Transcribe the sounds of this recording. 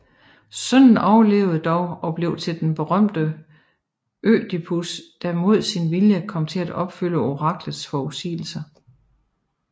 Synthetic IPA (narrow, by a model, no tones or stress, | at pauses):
sœn̰n̩ɒʊɐle̝̰ʊð̩ˠd̥ɒʊɒ̽b̥le̝ʊ̰t͡sʰe̝ld̥enb̥e̝ʁɶm̰d̥ə | ʔø̰ːd̥ipʰusd̥æmo̝ð̞̰ˠsinʋiljəkʰɒ̽m̰t͡sʰe̝læd̥ɒ̽b̥fyləo̝ʁɑ̈ɡ̥ləð̩ˠsfɒːusḭːl̩sɐ